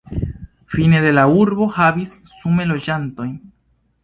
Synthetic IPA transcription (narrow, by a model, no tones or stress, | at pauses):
fine̞de̞lauɾbo̞havisːume̞lo̞d͡ʒanto̞jn